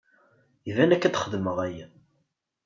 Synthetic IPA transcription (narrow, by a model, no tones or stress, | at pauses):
ivænækːæt̪χəðməʁæjæ